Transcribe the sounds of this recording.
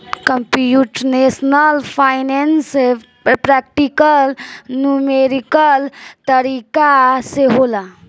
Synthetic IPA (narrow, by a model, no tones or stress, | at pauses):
kəmpjuʈnesnəlpʰajnense | pɾak̚ʈikəlnumeɾikəlt̪əɾikaseɦola